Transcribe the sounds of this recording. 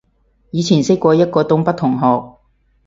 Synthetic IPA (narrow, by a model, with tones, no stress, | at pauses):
jiː˨˧t͡sʰiː˨˩nsɪ˥kʷɔː˧jɐ˥t̚kɔː˧t̪ʊ˥ŋpɐ˥t̪̚ʰʊ˨˩ŋɦɔː˨k̚